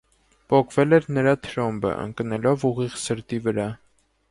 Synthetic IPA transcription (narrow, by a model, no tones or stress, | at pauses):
pɔkʰvɛlɛɾnəɾɑt̪ʰɾɔmbə̰ʔə̰ŋknɛlɔvuʁiʁsəɾt̪ivəɾɑ